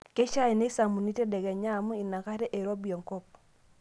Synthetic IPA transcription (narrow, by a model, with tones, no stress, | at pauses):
ke˦ʃa˦i˨ne˦sa˨mu˨ni˦te˦dɛ˨ɡɛ˨ɲa˦˨mu˦i˨na˨ka˦ɾɛ˦ʔe˨ɾo˦bi˨ɔ˨ŋkɔ˦p̚